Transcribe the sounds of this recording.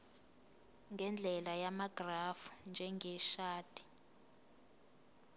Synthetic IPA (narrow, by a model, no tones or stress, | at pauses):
ŋɡɛnd͡ɮʱɛlajamaɡ̥rafu̥nd͡ʒʱɛŋɡɛʃaːd̥ʰʱʼi̥